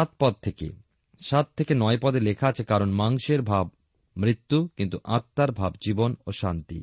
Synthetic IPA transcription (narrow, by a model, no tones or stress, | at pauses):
at̪̚pɔd̪̚t̪ʰekḛ | ʃat̪̚t̪ʰːekenɔepɔd̪elekʰaat͡ɕʰekaɾonmaŋʃeɾbʱab̚ | mɾit̪ːukint̪uʔat̪ːaɾbʱabd͡ʑibonoʃant̪ḭ